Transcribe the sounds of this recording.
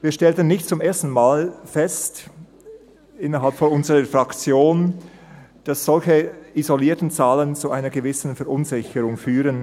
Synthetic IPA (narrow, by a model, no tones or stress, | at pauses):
viːʃtɛltənːɪçtt͡sʊmʔeːɐstn̩maːlfɛst | ʔɪnəɐɦalpfɔnʊnzəʁəfʁ̥akt͡sjoːn | d̥asz̥ɔlçəizoliːɐtn̩t͡saːlənt͡suʔaɪnəɡəvɪsn̩fɛɐʔʊnzɪçəʁʊŋfyːʁən